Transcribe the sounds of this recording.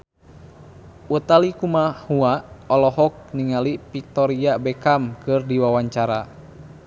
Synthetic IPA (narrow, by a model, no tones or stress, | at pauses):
ut̪alikumahuaɔlɔɦɔk̚niŋalipik̚t̪ɔɾiabɛkamkɨrdiwawaɲt͡ʃaɾa